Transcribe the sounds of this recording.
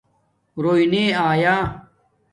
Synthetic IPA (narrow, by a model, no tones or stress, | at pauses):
ɾoːineːaːjaː